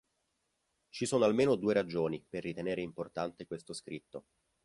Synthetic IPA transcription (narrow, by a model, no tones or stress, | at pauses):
t͡ʃisoːnoalmeːnod̪uːeɾad͡ʒoːniperːit̪eneːɾeimport̪ant̪ekwest̪oskɾit̪ːo